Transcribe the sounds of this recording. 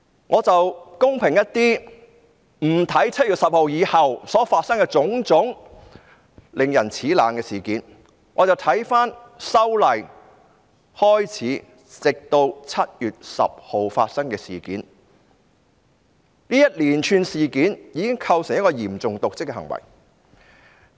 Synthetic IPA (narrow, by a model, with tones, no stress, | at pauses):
ŋʔɔː˨˧t͡sɐ˨wkʊ˥ŋpʰɪ˨˩ŋjɐ˥t̚t̪iː˥ | m̩˨˩t̪ʰɐ˨˥jt͡sʰɐ˥t̚ɥyː˨t̚sɐ˨p̚ho˨wjiː˨˧hɐ˨wsɔː˨˥faː˧t̚sɐ˥ŋkɛ˧t͡sʊ˨˧˥ŋt͡sʊ˨˥ŋ | lɪ˨ŋjɐ˨˩nt͡sʰiː˨˥laː˨nkɛː˧siː˨˩kiː˨˥n | ŋɔː˨˧t͡sɐ˨˩wt̪ʰɐ˨˥jfaː˥n | sɐ˥wlɐ˨˩j | hɔː˥jt͡sʰiː˨˥ | t͡sɪ˨k̚t̪o˧wt͡sʰɐ˥t̚jyː˨t̚sɐ̰˨p̚ho˨wfa̰ː˧t̚sɐ˥ŋkɛː˧siː˨˩kḭː˨˥n | niː˥jɐ˥t̚liː˨˩nt͡ʃʰyː˨nsiː˨kiː˨˥njiː˨˧kɪ˥ŋkʰɐ˧wsɪ˨˩ŋjɐ˥kɔː˧jiː˨˩mt͡sʊ˨ŋt̪ʊ˨k̚t͡sɪ˥kːɛ˧hɐ˨˩ŋwɐ̰˨˩j